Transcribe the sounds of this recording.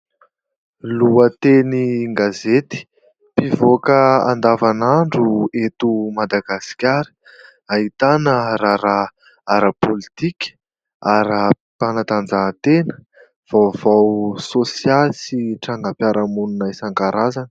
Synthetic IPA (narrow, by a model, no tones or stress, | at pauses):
luət̪eniŋɡazet̪i̥ | pivokəa̰nd̪avanaɳɖ͡ʐuet̪umad̪aɡasi̥kʲaɾi̥ | aɦit̪anəɾaɾa | aɾapolit̪ikʲə̥ | aɾa | panat̪and͡zat̪enə̥ | v̥awvawsosiasiʈ͡ʂaŋɡəpjaɾamununajsaŋkaɾazanə̥